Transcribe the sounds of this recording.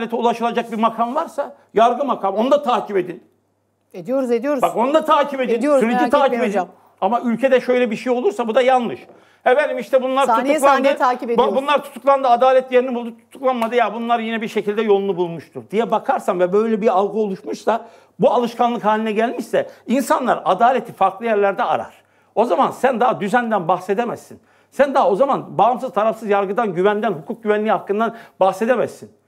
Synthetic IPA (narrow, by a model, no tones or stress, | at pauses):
lʲet̪ʰiulˠaʃɯlˠad͡ʒak̚biɾmakʰanvaɾsa | jaɾɡɯmakʰamo̞nd̪at̪ʰaːcʰibe̞d̪in | ed̪ijoɾuzd̪ijoɾbako̞nd̪at̪ʰaːcʰibed̪isyɾeit̪ʰaːciped̪n | amaylʲcʰe̞d̪ɛʃøjlʲɛbiʃejo̞lˠuɾsabud̪ajalˠnɯʃ | ɛvæɾnimiʃt̪ʰɛbunlˠaɾt̪ʰuulˠand̪t̪ʰaipebabunlˠaɾt̪ʰu̥t̪ʰuklˠand̪ɯad̪aːlʲɛt̪̚ʰjeɾinibulˠd̪ut̪ʰu̥t̪ʰuklˠanmad̪ɯjabunlˠaɾjinɛbiɾʃe̞cʰilʲd̪ɛjo̞lˠunˠubulˠmuʃt̪ʰuɾd̪ijɛbakʰaɾsamvɛbø̞jlʲɛbialˠɡɯo̞lˠuʃmuʃsa | bualˠɯʃkʰanlˠɯkhaːlʲinɛɟælʲmiʃsɛinsanlˠaɾad̪aːlʲet̪ʰifaɾklˠɯjæɾlʲæɾd̪ɛa̰ɾa̰ɾ̥ | o̞zamansænd̪ad̪yzænd̪ænbaxse̞d̪emɛzsin | sænd̪aao̞zamanbaːɯmsɯzt̪ʰaɾafsɯzjaɾɡɯd̪anɟyvænd̪ænhukʰuk̚ɟyvænlʲiːhakːɯnd̪anbaxse̞d̪emæzsin